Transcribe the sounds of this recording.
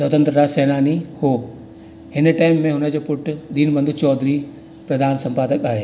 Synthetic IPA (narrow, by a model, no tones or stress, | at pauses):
sɔːt̪ɐ̃nt̪ɾəɾaseːnaːnihoː | hɪnʈaːɪmːẽɦʊnə̆d͡ʑoːpʊʈd̪iːnbɐ̃nd̪ut͡ɕɔːd̪ʱɾi | pɾɐd̪ʱaːnsɐ̃mpaːd̪əkaːɦeː